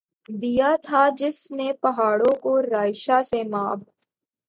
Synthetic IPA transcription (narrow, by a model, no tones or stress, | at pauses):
d̪ijat̪ʰad͡ʒɪsnepɐɦaːɽõkoɾaːɪʃasemaːb